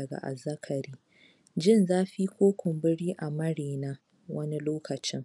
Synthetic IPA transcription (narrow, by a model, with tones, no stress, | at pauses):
ɐ˨ɡa̰˨ʔa̰˨zɐ˦kʰɐ˨ɾiː˦ | d͡ʒɪ˦˨nzaː˦ɸi˦kʷoː˦kʷʊ˨mbɪ˦ɽiː˦ʔa˨mɐ˦ɽeː˨naː˦ | wɐ˦ni˦loː˦kɐ˨t͡ʃɪ˦ŋ